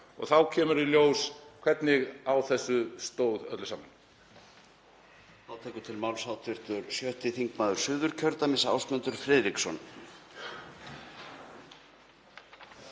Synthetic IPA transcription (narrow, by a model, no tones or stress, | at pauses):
ɔ̰ɣθawcʰɛːmʏɾɪljoːwskʰvɛt̪nɪɣawθɛsːʏst̪oːwðœt̪lʏsaːman | aːwt̪ʰɛːkʏt̪ʰɪlmawlsawt̪ʰɪr̥t̪ʏɾsjœht̪ɪθiŋkmaːðʏɾ̥sʏːðʏɾ̥cʰœɾt̪amɪnsa̰wsmœnt̪ʏɾ̥fɾɛːðɾiksɔn